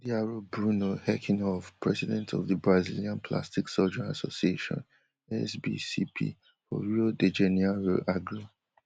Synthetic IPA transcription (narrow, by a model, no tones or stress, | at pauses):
diaɹobɹunohɛkʰĩnɔfpʰɹɛzidɛ̃ntʰɔvðəbɹaziliãnpʰla̰stiksɔd͡ʒənasosieʃɔ̰̃n | ɛ̰sbḭsḭpʰḭ | fɔ̰ɹuoded͡ʒeniaɹoʔaɡɹu